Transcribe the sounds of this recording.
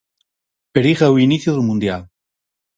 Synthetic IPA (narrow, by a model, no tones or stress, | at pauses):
peɾiɣawiniθjoðelmũnd̪jal